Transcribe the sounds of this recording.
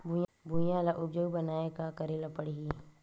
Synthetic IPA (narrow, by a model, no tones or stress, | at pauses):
bubʱujãlaʔʊpd͡ʒoːɡbɐnaːekakɐɾelapɐɽiɦi